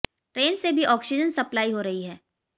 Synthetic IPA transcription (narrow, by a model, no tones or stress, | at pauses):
ʈɾeːnsebʱiʔɔːksɪd͡ʒənsɐplaːiɦoɾɐɦiɦɛː